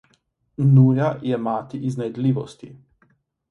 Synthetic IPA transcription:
nuːjajɛmaːt̪iʔiznɛjd̪liːʋɔst̪i

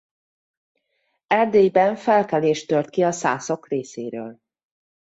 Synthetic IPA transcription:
ɛrd̪eːjbɛɱfɛlkɛleːʃt̪ørt̪kiɒsa̰ːsokreːsḛːɾø̰ːl

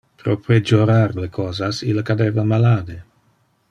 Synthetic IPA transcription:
pɾopɾed͡ʒoɾaɾlekʰɔːzasilakad̪evamalaːd̪e

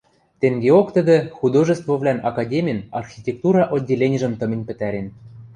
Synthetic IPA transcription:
t̪eŋɡeokt̪əd̪ĕxud̪oʒə̆st̪vovlʲænɑkɑdʲemʲijənɑrxʲitʲek̚t̪uɾɑʔodʲːelʲen̆ʲʒə̆mt̪ɤ̆mʲĕnʲpɘ̆t̪æɾʲen

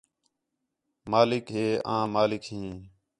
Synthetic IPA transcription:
maːlɪkɦeːã̰ːmaːlɪkɦĩː

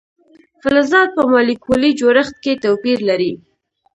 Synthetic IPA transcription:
fɪlazɑd̪̚pəmɑlikʰolid͡ʒoɾəxt̪̚ket̪awpiɾlaɾi

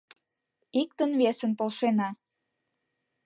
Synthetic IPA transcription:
ik̚t̪ənβesənpolˠʃenɑ

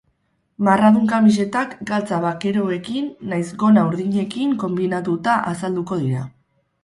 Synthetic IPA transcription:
maraðuŋkamis̬e̞t̪akɡalt͡saβake̞ɾo̞e̞kinːajzɡo̞nauɾðiɲe̞kiŋko̞mbinat̪ut̪aʔasald̪uko̞ð̞iɾa

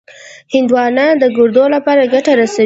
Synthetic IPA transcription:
hɪnd̪wɑnad̪əɡʊɾd̪olapɑɾaɡaʈaɾasa

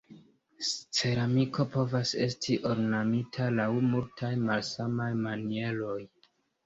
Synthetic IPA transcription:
st͡se̞ɾamikʰo̞po̞vase̞stʰiʔo̞ɾnamitʰalawmultʰajmalsamajmanie̞lo̞j

